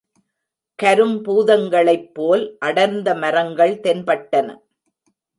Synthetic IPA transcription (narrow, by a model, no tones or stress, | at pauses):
kɐɾɯmpuːðɐŋɡɐɭɐɪpːoːlʔɐɽɐɾnd̪ɐmɐɾɐŋɡɐɭt̪ɛnpɐʈːɐnɐ̰